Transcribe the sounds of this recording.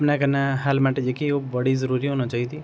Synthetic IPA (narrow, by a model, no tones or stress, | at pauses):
pnakɐɾnaɦɛːlmɛʈd͡ʒekiobɐɽizəɾuːɾiɦoːnãt͡ʃaːɦid̪i